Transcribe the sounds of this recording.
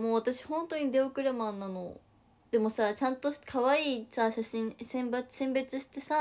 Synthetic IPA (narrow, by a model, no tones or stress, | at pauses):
moːβat̪aɕi̥hõ̞nt̪o̞ɲ̟id̪e̞okɯ̟ɾemanːano | d̪̥e̞mo̞sat͡ɕãnt̪o̞kʰaβaiːsaɕaɕĩɰsẽmbḁsẽ̞mbe̞t͡sɨɕi̥t̪e̞sa